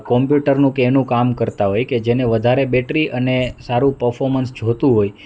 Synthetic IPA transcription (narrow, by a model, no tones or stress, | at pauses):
kɔmpjuʈəɾnũkeːnũkamkəɾt̪aɦojked͡ʒeneʋəd̪ʱaɾebeʈɾiʔənesaɾũpəɾfʰɔɾmənsd͡ʒʱot̪ũɦoj